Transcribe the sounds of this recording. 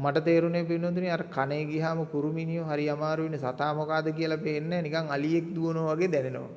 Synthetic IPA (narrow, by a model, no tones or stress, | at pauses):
maʈət̪eːɾuneːp̬inːot̪̬uniaɾəkaneːɡiɦaːməkuɾuminijoɦaɾiamaːɾuʋinːisat̪aːmokaːd̪ək̬ijəlapeːnːɛːnikaŋalijek̚d̪uʋonoʋaɡeːd̪ɛneno̰ʋ̰